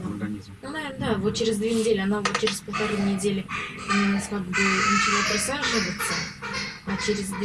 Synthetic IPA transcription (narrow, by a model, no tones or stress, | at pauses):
nunɐvʲenəd̪avot̪̚t͡ʃeɾʲɪzd̪vʲenʲɪdʲelʲɪanavot̪̚t͡ɕeɾʲɪzpəlˠt̪aɾujnʲɪdʲelʲɪnanʲskaɡ̪bɨnət͡ɕɪlˠapɾɐsˠaɾʐɨvət̪səat͡ɕeɾʲɪzd̪